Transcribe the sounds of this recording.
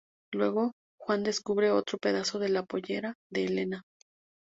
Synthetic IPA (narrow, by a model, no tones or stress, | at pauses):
lwe̞ɣo̞ | xwand̪e̞skuβɾe̞o̞t̪ɾo̞pe̞ðaso̞ðe̞lapo̞ʝe̞ɾaðe̞ːle̞na